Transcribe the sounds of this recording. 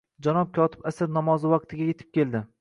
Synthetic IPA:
d͡ʒanɒp̚kʲʰɒt̪ʰɪ̥pasɪɾnɒmɒzɪwɑq̚t̪ʰɪɡʲaje̞t̪ʰɪp̚kʲʰe̞lˠd̪ɪ

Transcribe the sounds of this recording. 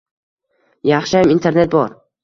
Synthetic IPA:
jɑχʃamint̪ʰe̞ɾne̞t̪̚bɒɾ

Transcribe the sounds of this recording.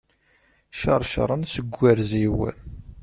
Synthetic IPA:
ʃɑɾˤʃə̰ɾˤənsəɡʷːæɾziwæ̰l

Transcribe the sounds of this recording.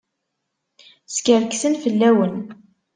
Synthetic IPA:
skəɾksənfəlːæwən

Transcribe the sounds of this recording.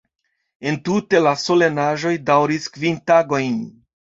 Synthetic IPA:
e̞ntute̞laso̞le̞naʒo̞jdawɾiskvintaɡo̞jn

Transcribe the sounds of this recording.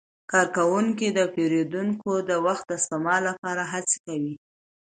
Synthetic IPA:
kɑɾkawuŋkid̪əpeɾed̪uŋkod̪əwaxt̪̚d̪əst̪amɑlːapɑɾaɦat͡se̥kawi

